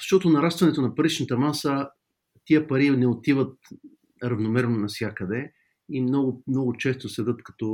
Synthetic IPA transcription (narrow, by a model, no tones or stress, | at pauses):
zɐʃt̪ɔt̪onɐɾast̪vɐnɛt̪onɐpɐɾit͡ʃnət̪ɐmasə | t̪iəpɐɾinɛot̪ivət̪̚ | ɾɐvnomɛɾnonɐfsʲjakəd̪ɛ | imnɔɡʊmnɔɡʊt͡ʃɛst̪osɛd̪ɤt̪kɐt̪ɔ